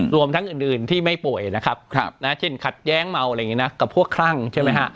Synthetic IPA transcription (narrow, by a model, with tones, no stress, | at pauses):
ɾu˧əmt̪ʰa˦˥ŋʔɯː˨˩nʔɯː˨˩nt̪ʰiː˥˩ma˥˩jpu˨˩əjna˦˥kʰa˦˥p̚ʰna˦˥t͡ɕʰi˧˩nkʰa˨˩t̪̚jɛː˦˥ŋma˧wa˨˧jŋi˦˥na˦˥ka˨˩pʰːu˥˩əkʰːɾa˥˩ŋt͡ɕʰa˥˩jma˦˥jɦʰa˦˥ʔ